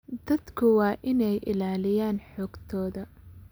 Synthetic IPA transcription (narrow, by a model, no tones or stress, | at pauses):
d̪ɐd̪kʰʊwɑːʔɪnɛjʔɪ̰laːlɪjaːnħɔːɡ̥t̪ʰɔːðɐ